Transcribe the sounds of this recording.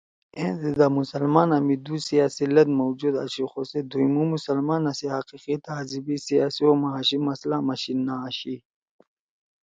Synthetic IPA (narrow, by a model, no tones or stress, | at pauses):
ẽd̪id̪amusɐlmaːnɐmid̪usiasilɐd̪mowd͡ʑud̪a̰ɕixosed̪uimumusɐlmaːnɐsihaqiqit̪aːzibisijaːsiomaɦɕimɐslamaɕinːaːɕi